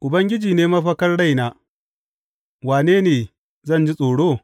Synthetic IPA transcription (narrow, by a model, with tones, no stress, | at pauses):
ʔʊ˨bɐ˦ŋɡʲɪ˦d͡ʒiː˨neː˦mɐ˦ɸɐ˦kɐ˦rɽa˦˨jnaː˦ | waː˨neː˦neː˨ | zɐ˦˨nd͡ʒi˦sʼoː˨ɽoː˦˨